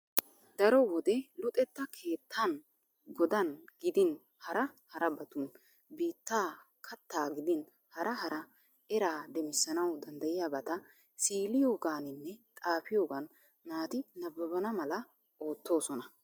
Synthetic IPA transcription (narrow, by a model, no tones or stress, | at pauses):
d̪̥ɐɾɔwɔd̪ɛlʊt̪ʼɛt̪ːɐkʰe̞ːt̪ʰːɐn | ɡɔd̪ɐnɡɪd̪ɪn | hɐɾɐhɐɾɐbɐt̪un | biːt̪ːaː | kʰɐt̪ːaːɡɪd̪ɪn | hɐɾʔɐɦɐɾɐ | ɛɾaːd̪ɛmɪsːɐnɐwd̪ɐnd̪ɐjɪjaːbɐt̪ɐ | siːlɪjo̞ːɡaːnɪnːɛt̪ʼaːfɪjo̞ːɡɐn | maːt̪ɪnɐbːɐbɐnɐmɐlɐ | o̞ːt̪ːo̞ːsɔnɐ